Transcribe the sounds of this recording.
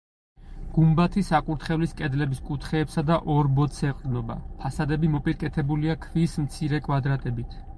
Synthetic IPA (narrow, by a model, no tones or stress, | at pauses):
ɡ̥umbat̪ʰisakʼuɾt̪ʰχɛvliskʼɛd̪lɛbiskʼut̪ʰχɛːpsad̪aʔɔɾbɔt̪sʰɛqʼɾnɔba̰pʰasad̪ɛbimɔpʼiɾkʼɛt̪ʰɛbuliakʰvismt̪sʰiɾɛkʼwad̪ɾat̪ʼɛbit̪ʰ